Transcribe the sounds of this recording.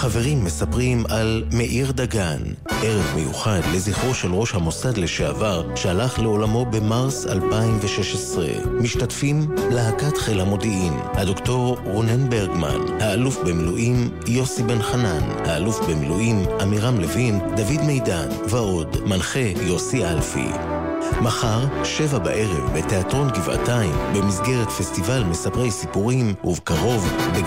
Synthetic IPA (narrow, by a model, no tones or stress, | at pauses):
χave̞ʁimːesapʁimalme̞ʔiʁd̪aɡan | ʔeʁevmḛjuχad̪le̞ziχoʃelʁo̞ʃhamo̞sad̪leʃeavaʁʃealaχle̞o̞lamo̞bemaʁsa̰lpaimveʃeʃesʁe̞̰miʃtatfimlaakat̪χelhamo̞d̪iim | had̪o̞kt̪o̞ʁʁonenbe̞ʁɡma̰nhaːlufbemiluʔim | jo̞sibe̞nχananhaːlufbemiluʔimʔamiʁamlevimd̪avidmejdan | vao̞dmanχejo̞siʔalfḭ | maχaʁʃevaba̰ʔe̞ʁe̞vbe̞te̞atʁo̞nɡiva̰taimbe̞misɡe̞ʁetfe̞stivalmesapʁe̞jsipuʁimuvkaʁo̞vbe